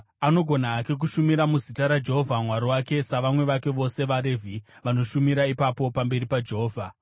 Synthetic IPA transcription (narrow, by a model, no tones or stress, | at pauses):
ano̞ɡʱo̞naːke̞k̬uʃumiɾamuzitaɾad͡ʒe̞ɦovʱamwaɾowake̞saʋamwe̞ʋake̞ʋo̞se̞ʋaɾe̞vʱiʋano̞ʃumiɾaipapo̞pambe̞ɾipad͡ʒe̞ɦoːvʱa